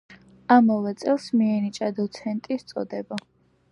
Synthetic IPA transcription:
amavɛt̪sʼɛlˠsmiɛnit͡ʃʼad̪ɔt̪sʰɛnt̪ʼist̪sʼɔ̰d̪ɛba

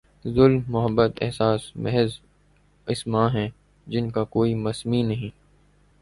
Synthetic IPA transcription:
zʊlmːʊɦəbːət̪ɛ̰ɦsaːsmɛɦz | ɪsmãːɦɛ̃ | d͡ʒɪnkakoːimɐsminɐɦĩː

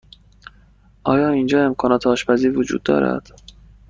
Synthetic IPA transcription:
ʔɒːjɒːiːnd͡ʒɒːe̞mkʰɒːnɒːt̪ʰeɒːʃpæziːɾvod͡ʒṵːd̪̚ːɒ̰ːɾæ̰d̪̥

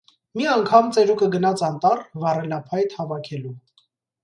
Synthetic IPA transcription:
miɑŋkʰɑmt͡sɛɾukəɡənɑt͡sʰɑnt̪ɑrvɑrɛnɑpʰɑjt̪hɑvɑkʰɛlu

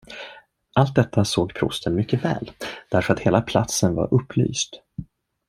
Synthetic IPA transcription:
ʔalt̪̚d̪ɛt̪ʰːasoːɡpʰɾʊ̰st̪ʰənmʏkːəvɛ̰ːld̪̥æɾfœɾat̪heːlapʰlat̪sənva̰ɾʔɵpʰːly̰ːst̪

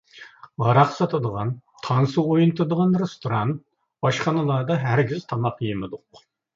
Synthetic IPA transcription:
ʁɑɾɑqsɑt̪ʰɨd̪əʁɑnt̪ʰɑnsuojunt̪ʰɨd̪əʁɑnɾest̪oɾɑnt̪̚ | bɑʃχɑnɨlˠɑd̪ɑɦæɾɡʲiz̥t̪ʰɑmɑqjemɪd̪ʊq

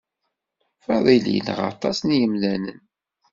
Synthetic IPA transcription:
fɑðˤilḭnə̰ʁɑ̰t̪ˤɑsnjəmlænən

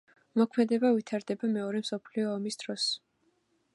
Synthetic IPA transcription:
mɔkʰmɛd̪ɛbavit̪ʰaɾd̪ɛbamɛɔɾɛmsɔpʰliɔːmisd̪̥ɾɔs

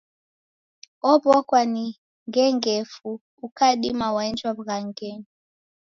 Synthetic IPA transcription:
ɔbɔkwani | ŋɡɛŋɡɛfu | ukaɗimawaɛnd͡ʒwaβɣaŋɡɛni

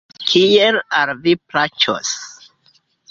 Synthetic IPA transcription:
kʰielaɾviplat͡ʃo̰s

